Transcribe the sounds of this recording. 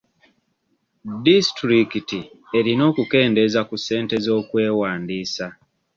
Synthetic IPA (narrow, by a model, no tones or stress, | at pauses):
distɾikiti | e̞ɾino̞ːkuke̞ːnde̞zakuse̞ːnte̞zo̞ːkwe̞ːwaːndiːsa